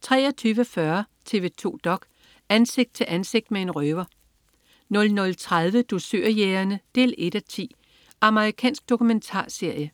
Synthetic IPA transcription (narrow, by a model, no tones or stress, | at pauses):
t͡sʰʁɛ̰ːɐt͡sʰyːʋəfɶɐt͡sʰe̝ːʋe̝t͡sʰo̝̰ːd̥ɒ̽ɡ̥ | ænse̝ɡ̥d̥̚t͡sʰe̝lʔænse̝ɡ̥̚d̥mee̝nʁøːʋɐ | nɔ̽lnɔ̽lt͡sʰʁað̞ˠʋəd̥osøɐ̰jeːɐnəd̥e̝̰ːle̝d̥æt͡sʰḭː | ʔɑ̈məʁikʰɛ̰ːnsɡ̥̚d̥o̝kument͡sʰɑ̰̈ːse̝ɐ̰jə